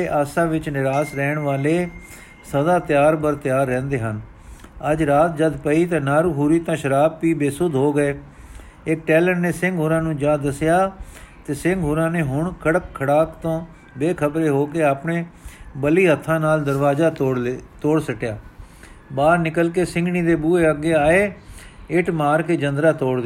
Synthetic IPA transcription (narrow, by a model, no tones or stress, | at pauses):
eːʔaːsãːʋɪt͡ʃnɪɾaːsɾɛːɳʋaːleː | səd̪aːt̪ɪjaːɾbəɾt̪ɪjaːɾːɛ̃ːnd̪eːɦən | əd͡ʒɾaːt̪̚d͡ʒəd̪pəiːt̪ãːnaːɾuːɦuːɾiːt̪ãːʃəɾaːb̚piːbeːsʊd̪ʱɦoːɡəeː | ɪk̚ʈɛːləɾneːsɪŋɡɦʊːɾãːnũːd͡ʒãːd̪əsɪjaːt̪eːsɪŋɡɦʊɾãːneːɦʊɳkʰəɽəkʰːəɽaːkt̪õː | beːkʰəbɾeːɦoːkeːaːpɳeːbəliːɦət̪ʰːãːnaːld̪əɾʋaːzaːot̪oːɽsəʈjaː | baːɾnɪkəlk̬eːsɪ̃ŋɡniːd̪eːbuːeːəɡːeːaːeːɪʈmaːɾkeːd͡ʒənd̪ɾaːt̪oːɽd̪eː